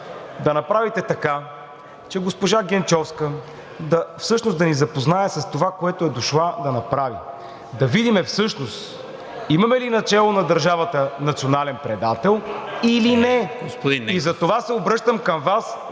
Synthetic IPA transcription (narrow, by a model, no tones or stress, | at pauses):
d̪ɐnɐpɾavit̪ɛt̪ɐka | t͡ʃɛɡospoʒaɡʲɛnt͡ʃɔfskə | d̪ɐfsɤʃnosd̪ɐnizɐpoznaɛsɐst̪ovakoɛt̪oɛd̪oʃlˠad̪ɐnɐpɾavḭ | d̪ɐvid̪imɛfsɤʃnost̪ | imɐmɛlinɐt͡ʃɛlˠonɐd̪ɐɾʒavət̪ənɐt̪sʲionalɛnpɾɛd̪at̪ɛlˠilinɛɡosp̪iizɐt̪ovasɛobɾɤʃt̪əmkɐmvas